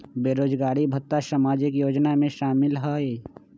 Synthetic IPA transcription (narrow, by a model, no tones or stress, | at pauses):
beːɾoːd͡ʒɡaːɾibʱət̪ːasamaːd͡ʒɪkjoːd͡ʒnamẽʃaːmɪlɦoe